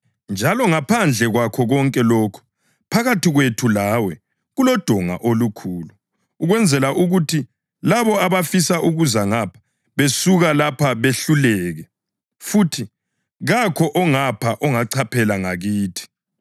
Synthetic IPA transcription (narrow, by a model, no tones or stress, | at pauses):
nd͡ʒʱalɔŋapʰand͡ɮʱɛɣwakʰɔɣɔŋkʼɛlɔːkʰu̥ | pʰaɣatiɣwetʰulaːwɛ | ɣulɔd̥ʱɔŋa̰ʔolukʰuːluː | ɣwɛnd͡zʱɛlaʔuɣutʰi | laβɔaβafisaʔuɣuzaŋapʰḁ | βesuɣalapʰaβeɬulɛːɣɛ | futʰi | ɣakʰɔʔɔŋapʰaʔɔŋaǀʰapʰɛlaŋaɣiːtʰi̥